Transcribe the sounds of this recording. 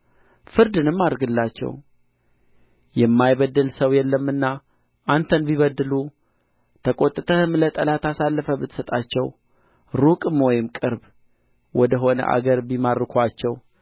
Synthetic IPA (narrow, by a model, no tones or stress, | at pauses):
fɨɾd̪ɨnɨmːad̪ɾɡɨlːat͡ʃːɛ̰w | jɛmːajβəd̪ːɨlsəwjɛlːəmːɨnːa | ʔant̪ʰənbiβəd̪ːɨlu | t̪ʰəkʼo̞t̪ʼːɨt̪ʰəhɨmlət̪ʼəlat̪ʰasalːəfəbɨt̪sət̪ʼat͡ʃːɛw | ɾukʼɨmwɔjɪmkʼɨɾb | wɔd̪əɦo̞nə̰ʔa̰ɡəɾbimaɾːɨkʰʷat͡ʃːɛw